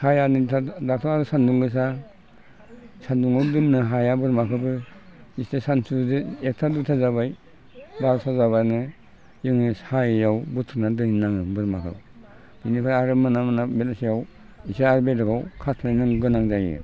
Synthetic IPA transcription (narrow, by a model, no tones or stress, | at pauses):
hajanɯtʰadatʰaaɾɯsanduŋɡɯs̬a | sanduŋawdɯmnɯɦajabɯɾmakʰɯbɯistesansudɯek̚tʰadutʰazabaj | baɾsʰazaβanɯ | jɯŋnɯshajjawbutʰunadɯŋinaŋbɯɾmakʰɯ̰b | binipʰaɾaɾɯmanamanabetasijaw | isaaɾbedakʰawkʰatʰlajnaŋɡɯnaŋzajɯ̰